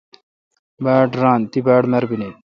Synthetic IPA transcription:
baːʈɾãːnt̪ibaːʈmɐɾbine

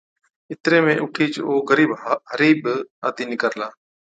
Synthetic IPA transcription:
ɪt̪ɾeːmẽːʔʊʈʰiːt͡ʃoːɣəɾiːbɦəɾiːɓaːt̪iːnɪkəɾlaː

